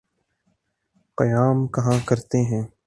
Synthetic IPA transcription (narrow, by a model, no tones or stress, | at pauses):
qəjaːmkɐɦãːkəɾt̪eːɦɛ̃ː